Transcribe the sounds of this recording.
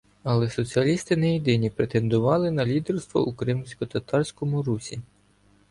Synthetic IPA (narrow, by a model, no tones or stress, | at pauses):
ɐlˠɛsɔt͡sʲiɐlʲist̪ɪnɛjid̪ɪnʲipɾet̪e̞nd̪ʊʋɑlˠɪnɐlʲid̪erst̪ʋɔ̰ʔukɾɪmsʲkɔt̪ɐt̪ɑrsʲkɔmʊɾusʲi